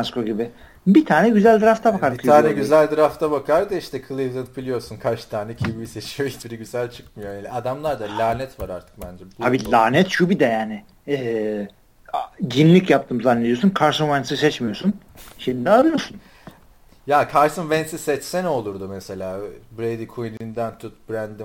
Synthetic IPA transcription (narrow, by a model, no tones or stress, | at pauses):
askoɟibɪ | bit̪ʰaːnɛɟyzælʲd̪ɯɾaft̪ʰabakʰaɾkaɛɟyzælʲd̪ɯɾaft̪ʰabakʰaɾd̪ɯiʃt̪ɛkʰɯlˠivd̪ad̪ɯbilʲijo̞ɾsunkʰat͡ʃt̪ʰaːnɛcʰibibiset͡ʃʰijoibiɾiɟyzælʲt͡ʃʰɯ̥kmɯjojanʲiad̪amlˠaɾd̪alʲaːnɛt̪vaɾaɾt̪ʰɯ̥k̚bænd͡ʒɛb̪abilʲaːnɛt̪ʃubid̪ɛjaːnɪ | ɛː | ɟinlʲicjap̚t̪ʰɯːmzanːed̪ijos̬unkʰaɾʃɯmvɛnsisɛt͡ʃmijosun | ʃenind̪ɛalˠɯjosun | jaːkʰaɾʃsɯnvɛnsisɛt͡ʃsɛno̞lˠuɾd̪umese̞lʲaːbɾejd̪ikʰujnind̪ænt̪ʰut̪̚bɾænd̪i